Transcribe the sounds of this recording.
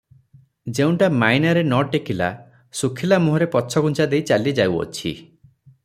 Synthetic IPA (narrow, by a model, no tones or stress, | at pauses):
d͡ʒeũɳʈamajnaɾenɔʈekʰila̰ | sukʰilamuɦɔɾepɔt͡ʃʰɔɡunt͡ʃad̪ejt͡ʃalied͡ʒawɔ̰t͡ʃʰḭ